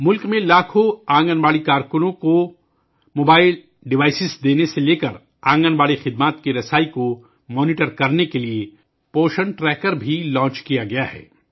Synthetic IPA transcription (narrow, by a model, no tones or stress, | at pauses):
mʊlkmẽlaːkʰoãːŋɡənbaːɽikaːɾkʊnõko | moːbaːɪl | ɖɪʋaːɪsɪsd̪eːneseleːkəɾ | ãːŋɡənbaːɽixɪd̪maːt̪̚kiɾɐsaːiko | mɔːniʈəɾkɐɾnekelie | poːʃəɳʈɾɛːkəɾbʱilɔ̃ːt͡ʃkijaɡɐjaɦɛ̰ː